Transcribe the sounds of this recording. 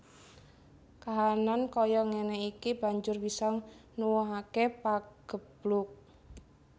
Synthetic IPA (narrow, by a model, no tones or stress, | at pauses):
kaɦanankɔjɔŋenɛikib̥a̤ɲd͡ʒʊrbisɔnuwɔɦakepaɡ̥ə̤b̥lʊk̚